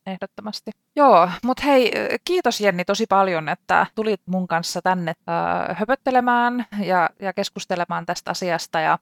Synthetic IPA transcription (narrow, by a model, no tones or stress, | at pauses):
ehdot̪ːomɑst̪i | joːmut̪heikiːt̪osjenːit̪osipɑljonet̪ːæ̰t̪ulit̪muŋkɑnsːɑt̪ænːḛhøpøt̪ːelemæːnjɑjɑkeskust̪elemɑːnt̪æst̪ɑsiɑst̪ɑjɑ̰